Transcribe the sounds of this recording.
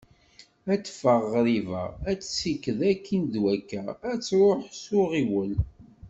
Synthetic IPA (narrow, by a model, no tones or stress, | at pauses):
æt͡sːfəʁːɾivə̰ʁæt͡sːsikːəðækʰːinðwækːææt͡sːɾˤoħsʊʁiwəl